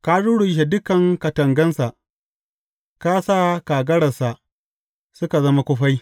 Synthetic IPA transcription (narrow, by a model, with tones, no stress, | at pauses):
ka˦ɽʊ˦ɽʊ˨ŋʃ̬e˨dʊ˦kɐ˨ŋkɐ˨tɐ˨ŋɡɐ˦nsa˨ʔ | ka˦saː˦kaː˨ɡɐ˦ɽɐ˨sa˨ʔ | sʊ˦ka˨zɐ˦ma˦kʷʊ˦ɸa˦j